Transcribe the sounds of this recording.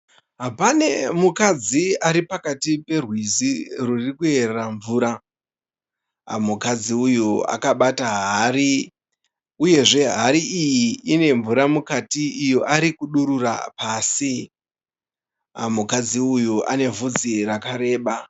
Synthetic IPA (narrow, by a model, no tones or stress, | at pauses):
ɦapane̞mukad͡ziaɾipakatipe̞rwizirurikue̞reraɱvuːɾa | mukad͡ziujua̰kaɓataɦaɾi | uje̞ʐe̞ɦaɾiʔijiine̞ɱvuɾamukatiːjoʔaɾikuɗuɾura̰paːsi | mukad͡ziujuʔa̰ne̞vud͡zirakaɾe̞ːɓa